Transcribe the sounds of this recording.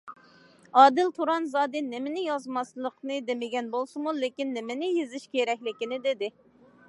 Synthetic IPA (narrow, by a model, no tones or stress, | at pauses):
ɑːd̪ɪlt̪ʰuɾɑnzɑːd̪ɨnemɪnɪjɑzmɑslˠəqnɨd̪emɪɡʲɛnbolˠsɨmulekʲinːɪmɪnɪjezɪʃkʲeɾɛkʲlɪkʲinɪd̪ed̪ɪ